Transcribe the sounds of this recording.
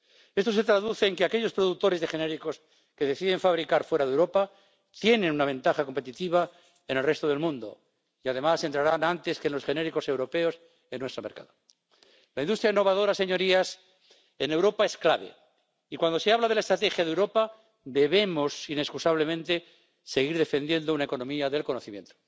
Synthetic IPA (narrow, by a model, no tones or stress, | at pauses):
e̞st̪o̞se̞t̪ɾaðuθe̞ːŋkeakeʎo̞spɾo̞ðuk̚t̪o̞ɾezðe̞xe̞ne̞ɾiko̞s | ke̞ðe̞θiðe̞ɱfaβɾikaɾfwe̞ɾaðewɾo̞pa | t̪je̞nenunaβ̞ẽ̞nt̪axako̞mpe̞t̪it̪iβ̞a | enelret̪oð̞e̞lmũnd̪o̰ | iað̞e̞mase̞nt̪ɾaɾanant̪e̞skenlo̞sxene̞ɾiko̞se̞wɾo̞pe̞o̞s | enːwest̪ɾo̞me̞ɾka̰ðo | laind̪ust̪ɾjainːo̞β̞aðo̞ɾase̞ɲo̞ɾias | ene̞wɾo̞pae̞sklaβe̞̰ | ikwand̪ose̞aβlaðlaest̪ɾat̪e̞xjaðewɾo̞pa | d̪e̞βe̞mo̞sine̞skusaβ̞lemẽnt̪e̞ | se̞ɣ̞iɾðe̞fe̞nd̪je̞nd̪ounaekonomiaðe̞lko̞no̞θimjent̪o̥